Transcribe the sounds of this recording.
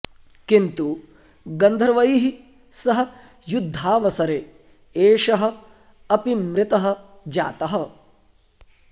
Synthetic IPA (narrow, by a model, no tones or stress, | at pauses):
kint̪u | ɡɐnd̪ʱɐɾʋɐjiɦi | sɐɦɐ̆ | jud̪ʱːaːʋɐsɐɾeː | eːʃɐɦɐ̆ | ɐpimɾɪt̪ɐɦɐ̆ | d͡ʒa̰ːt̪ɐɦɐ